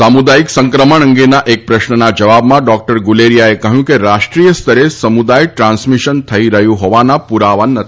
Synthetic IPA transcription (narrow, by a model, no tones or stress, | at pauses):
samud̪ajiksəŋkɾəməɳə̃ŋɡenaʔek̚pɾəʃnənad͡ʒəʋabmãɖɔk̚ʈəɾɡuleɾijaekəɦjũkeɾaʃʈɾijəst̪ʰəɾesəmud̪ajʈɾãnsmiʃənt̪ʰəiɾəɦjũɦɔʋanapuɾaʋanːət̪ʰi